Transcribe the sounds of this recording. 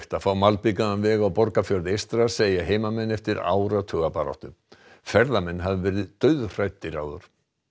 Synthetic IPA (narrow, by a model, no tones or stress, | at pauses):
ht̪afawmalpikaanvɛːɣawpɔɾkafjœɾðɪejst̪ɾaseːjaɦeːjmamɛnːɛft̪ɪɾa̰ːwɾat̪ʰœːɣapaɾɔ̰wht̪ʏm | fɛɾðamɛnːɦavɪvɛːɾɪðt̪œɥðr̥ajt̪ːɪɾa̰ːwðʏɾ̥